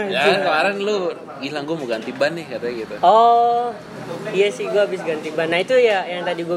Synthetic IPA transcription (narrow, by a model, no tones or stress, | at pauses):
jad͡ʒklaɾanlo | ɡilaŋɡumuɡant̪ibanːɪkaɾaɡit̪uɔ | ijasihɡuaːbɪs̬ɡant̪ibanːait̪ujajaŋt̪adiɡua